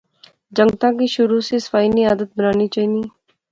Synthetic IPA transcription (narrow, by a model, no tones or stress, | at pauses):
d͡ʒə̃ŋɡt̪ãk̬iʃʊɾusesə̥faːiniaːd̪ət̪̚bənaːnit͡ʃaːiːni